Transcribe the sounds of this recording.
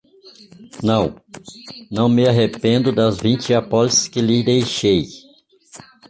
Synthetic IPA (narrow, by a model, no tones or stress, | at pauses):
nɐ̃w̃ | nɐ̃w̃mɪaɦepẽnd̪ʊd̪ɐzvĩnt͡ʃɪapɔlisɪ̥skɪlɪd̪ejʃej